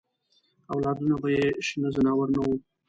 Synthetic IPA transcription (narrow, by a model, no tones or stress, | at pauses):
awlɑd̪unobojeʃnəzanɑwaɾnawu